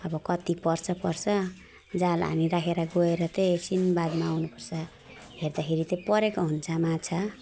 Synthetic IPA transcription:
ʌbʌkʌt̪ipʌrt͡sʰʌpʌrt͡sʰʌ | d͡zalɦa̰miɾakʰeɾaɡoeɾʌt̪esinbad̪maːwnupʌrt͡sʰʌ | ɦerd̪akʰeɾit̪ʌpʌɾekoɦunt͡sʰamat͡sʰʌ

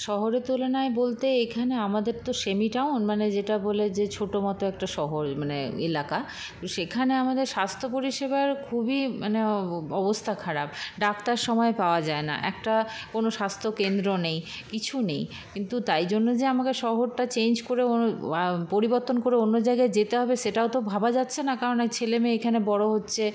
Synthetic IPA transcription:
ʃɔɦoɾet̪ulenaebolt̪eekʰaneamad̪eɾt̪oʃemiʈawnmaned͡ʑeʈaboled͡ʑet͡ɕʰoʈomɔt̪oɛk̚ʈaʃɔɦoɾmaneḛlaka | t̪oʃekʰaneamad̪eɾʃast̪ʰopoɾiʃebaɾkʰubimaneɔbost̪ʰakʰaɾab̚ɖakt̪aɾʃɔmɔepaoad͡ʑaena̰ʔɛ̰kʈakonoʃast̪ʰokend̪ɾonejkit͡ɕʰunej | kint̪ut̪ajd͡ʑonːod͡ʑeamakeʃɔɦoɾʈat͡ɕend͡ʑkoɾeoapoɾiboɾt̪onkoɾeonːod͡ʑajɡaed͡ʑet̪eɦɔbeʃeʈaot̪obʱabad͡ʑatːɕʰenakaɾonat͡ɕʰelemeekʰanebɔɽoɦotːɕʰe

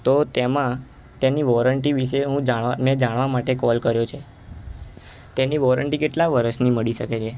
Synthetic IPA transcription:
t̪ot̪emã | t̪eniʋɔɾəɳʈiʋiʃeɦũd͡ʒaamẽd͡ʒaɽ̃ʋamaʈekɔlkəɾjot͡ʃʰe | t̪eniʋɔɾəɳʈikeʈlaʋəɾəʃniməɭiʃəket͡ʃʰe

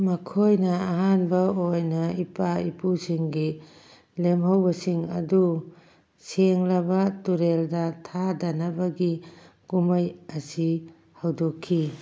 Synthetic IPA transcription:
mɐkʰojnɐːɦanbɐojnɐipaipusiŋɡi | lemɦawbɐsiŋɐ̰du | seŋlɐbɐtuɾeldɐtʰadanabɐɡi | kumajɐsi | hawdokʰːi

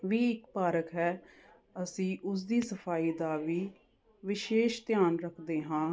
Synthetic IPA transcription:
ʋiːɪkpaːɾəkɦɛː | əsĩːʔʊs̬d̪iːsəfʰaːiːd̪aːʋiː | ʋɪʃeːʃt̪ɪjaːnɾəkʰd̪eːɦãː

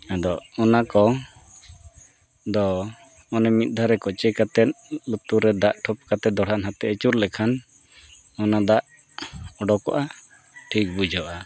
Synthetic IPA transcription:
ad̪ɔɔnakɔ | d̪ɔ | ɔnɛmit̪̚d̪ʱaɾɛkɔt͡ʃɛkat̪ɛn̚lut̪uɾɛd̪aʔʈʰɔp̚kat̪ɛd̪ɔɽ̤anɦat̪ɛət͡ʃuɾlɛkʰan | ɔnad̪aʔ | ɔɖɔkɔ̰ʔa | ʈʰik̚bud͡ʒɔʔa

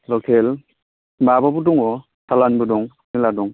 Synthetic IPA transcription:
lɔkʰel | mabɔbuduŋɔ | salanbudɔŋ | miladɔŋ

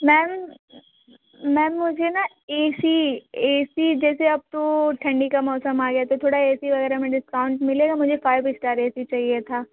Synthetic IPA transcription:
mɛːm | ɛ̃ːmːʊd͡ʒʱena | eːsieːsid͡ʒɛːseɐb̚t̪oʈʰɐ̃ɳɖikamɔːsəmaːɡɛjat̪ʰat̪ʰoːɽaeːsiʋɐɡɛːɾamẽɖɪskaːʊ̃ɳʈmɪleːɡamʊd͡ʒʱefaːɪʋɪsʈaːɾeːsit͡ʃaːɦiet̪ʰaː

